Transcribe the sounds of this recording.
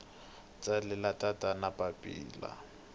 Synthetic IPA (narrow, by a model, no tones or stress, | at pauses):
t͡sʼalɪlatʼatʼanapʼapʼḭːla̰